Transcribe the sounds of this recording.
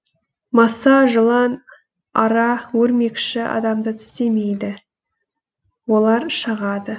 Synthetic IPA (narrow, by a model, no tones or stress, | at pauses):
mɑsɑʒəlˠɑn | ɑɾɑwɵɾme̞kʃɪɑ̰d̪ɑmd̪ət̪ʰʏ̥st̪e̞me̞jd̪ɪ | wo̞lˠɑɾʃəʁɑd̪ə